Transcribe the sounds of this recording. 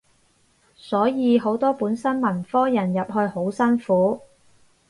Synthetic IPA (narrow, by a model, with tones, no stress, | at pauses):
sɔː˨˥jiː˨˧ɦo˨˥wt̪ɔː˥puː˨˥nsɐ˥nmɐ˨˩nfɔː˥jɐ˨˩njɐ˨p̚ɦɵ˧ɥho˨˥wsɐ˥nfuː˨˥